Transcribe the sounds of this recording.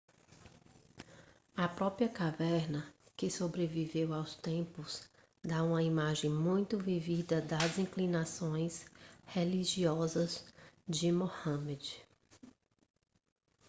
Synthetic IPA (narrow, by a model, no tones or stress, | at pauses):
ɐpɾɔpɾiɐkavɛɾnɐkɪsobɾevivewawst̪ẽpʊz | d̪aũmɐimaʒẽj̃mũj̃t̪ʊvivid̪ɐd̪ɐzĩklinasõj̃sheliʒiɔzɐzd͡ʒɪmohɐ̃med͡ʒɪ